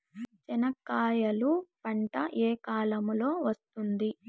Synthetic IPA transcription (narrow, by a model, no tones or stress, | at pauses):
t͡ʃɛnɐkːaːjɐlupɐɳʈɐʔeːkaːlɐmulo̞ːʋɐst̪und̪i